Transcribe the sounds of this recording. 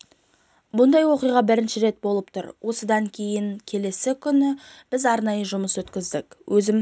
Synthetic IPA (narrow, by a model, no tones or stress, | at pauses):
bʊnd̪ɑjwo̞qijʁɑbɪɾɪnʃɪɾe̞t̪̚bo̞lˠəpt̪ʰʊ̰ɾwʔo̞səd̪ɑŋkʲʰe̞jɪŋkʲʰe̞le̞sɪkʲʰʏnɪb̥ɪzɑɾnɑjəʒʊməswɵt̪kʲɪzd̪ɪkwʔɵzɪm